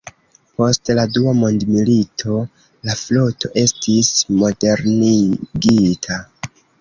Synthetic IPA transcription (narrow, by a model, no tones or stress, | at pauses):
po̞stladuamo̞ndmilitʰo̞ | laflo̞to̞ʔe̞stʰismo̞de̞ɾniɡitʰa